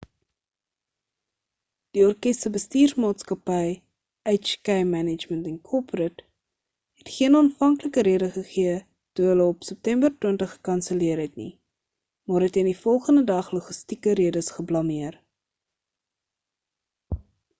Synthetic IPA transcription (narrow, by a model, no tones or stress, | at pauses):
d̥iɔrkɛstəbəstiːrsmɑːtskɐpɛj | ɛjt͡ʃkɛjmænəd͡ʒməntɛnkʰɔprət | ɦɛtχiənɑːnfɐŋkləkəɾiədəχəχiə | tuɦələɔpsəp̚tɛmbərtwiəntəχːə̥kɐnsəliəɾɦɛtnḭ | mɑːɾɦɛtəndifɔlˠχəndədɐχloχəstikəɾiədəsχəblɑmiər